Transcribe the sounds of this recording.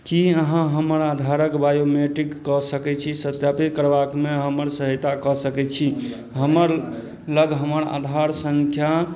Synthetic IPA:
kiəɦãɦəməɾad̪ʱaɾəkbajomeʈɾikːɔsəkɛt͡ʃʰisət̪japit̪kəɾbakmeɦəməɾsəɦət̪akɔsəkɛt͡ʃʰi | ɦəməɾ | ləɡɦəməɾa̰d̪ʱaɾsəŋkʰja

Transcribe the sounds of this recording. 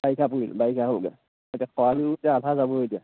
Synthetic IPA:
bajkʰapuilbajkʰaɦolɡɛ̰ | hojtiakʰɔalitiaatʰazabɔɦojtija

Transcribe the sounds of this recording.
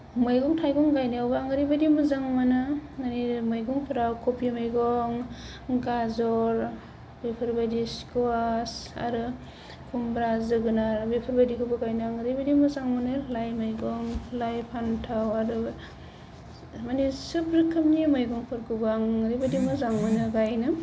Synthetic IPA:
mɯjɡɔŋtʰajɡɔŋɡajniawbaaŋɯɾibadimɯzaŋmanaŋanimɯjɡɔŋpʰɯɾawkʰopʰimajɡɔŋ | ɡazɔɾ | bepʰɯɾbadiskoasa̰ɾɯ | kʰumbɾazɯɡɯnaɾbepʰɯɾbadikʰɯbɯɡajnɯaŋɯɾibadimɯzaŋmɯnɯlajmajɡɔŋlajpʰantʰawaɾɯ | manisɯbɾɯkʰɯmnimɯjɡɔŋpʰɯɾkɯbaaŋɾibadimɯzaŋmanɯɡajnɯ

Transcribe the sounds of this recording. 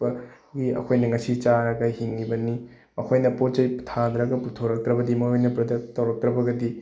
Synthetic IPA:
ɐ | ɡiɐ̰kʰojnɐŋɐsit͡ʃaɾɐɡɐhiŋːibɐni | ɐkʰojnɐpot̚d͡ʒɐjtʰand̪ɾɐɡɐputʰoɾɐk̚t̪ɾɐbɐdimɐojnɐpɾɐdek̚tːɐwɾɐk̚t̪ɾɐbɐɡɐdi

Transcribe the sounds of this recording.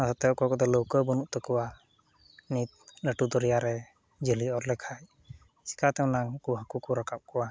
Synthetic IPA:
asɔt̪ɛkɔakɔt̪ɛlowkɔbɔnuʔt̪ɔkɔwa | nit̪̚ləʈud̪ɔɾijaɾɛ | d͡ʒəliɔɾlɛkʰaj | si̥kat̪ɛw̃naŋkuɦakukɔɾakap̚kɔwa

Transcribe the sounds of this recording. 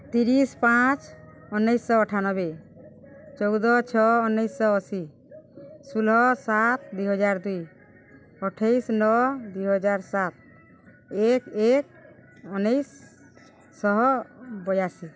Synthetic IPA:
t̪iɾispãt͡ʃɔnːɔjsːɔɔʈʰanɔbe | t͡ʃɔwd̪ɔt͡ʃʰɔɔnːɔjsːɔɔsi | sulɦɔsat̪̚d̪ujɦɔd͡ʒaɾd̪uj | ɔʈʰejsnɔd̪ujɦɔd͡ʒaɾsat̪̚ | ekek̚ | ɔnejsː | ɔɦɔbɔjasi

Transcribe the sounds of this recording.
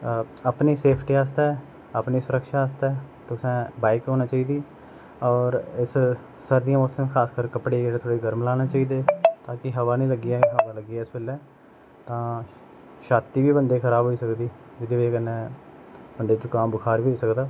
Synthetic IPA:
əpniːseːpʰʈiːaːs̬t̪ɛː | əpniːsʊɾəkʃaːaːst̪ɛː | t̪ʊsɛ̃ːbaːɪkɦoːnaːt͡ʃaːiːd̪iː | ɔːɾɪs | səɾd̪ijãːmɔːsəmkʰaːskəɾkəpɽeːɡet̪ʰoːɽeːɡəɾmlaːnaːt͡ʃaːiːd̪eːt̪ãːkɪɦəʋaːnĩːləɡɪɛːɦəʋaːləɡɪaːɪsbɪlɛː | t̪ãː | ʃaːt̪iːʋiːbənd̪eːkʰəɾaːbɦoːiːsəkd̪iː | d͡ʒɪd̪eːʋeːkənːɛ̃ː | bənd̪eːt͡ʃʊkaːmbəkʰaːɾʋiːɦoːsəkd̪aː

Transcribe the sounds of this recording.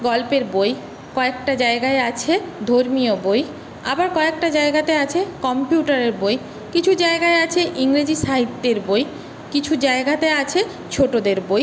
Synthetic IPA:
ɡɔlpeɾboj | kɔek̚ʈad͡ʑaeɡaeat͡ɕʰed̪ʱoɾmioboj | abaɾkɔek̚ʈad͡ʑaeɡat̪eat͡ɕʰekɔmpjuʈaɾeɾboj | kit͡ɕʰud͡ʑaeɡaeat͡ɕʰeʔiŋɾed͡ʑiʃaɦit̪ːeɾboj | kit͡ɕʰud͡ʑaeɡat̪eat͡ɕʰe | t͡ɕʰoʈod̪eɾboj

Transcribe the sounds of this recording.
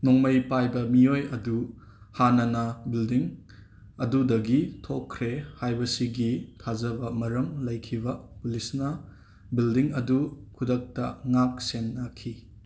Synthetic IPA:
noŋmɐjpajbɐmiojɐdu | hanɐnɐbildiŋ | ɐdudɐɡitʰokʰːɾehajbɐsiɡitʰazɐbɐmɐɾɐmlɐjkʰibɐpulisnɐ | bildiŋɐdukʰudɐk̚tɐŋak̚senːakʰːi

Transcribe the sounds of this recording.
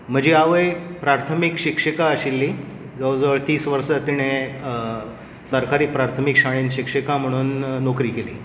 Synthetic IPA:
m̤əd͡ʑiaʋəjpɾaɾt̪ʰəmikɕikʂəkaəɕilːiː | ɡəwd͡zəʋəɾt̪iːsʋəɾsət̪iɽ̃e | səɾkaɾiːpɾaɾt̪ʰəmikɕaɭ̃inɕikʂəkam̤əɽ̃uːnːokɾiːkelḭː

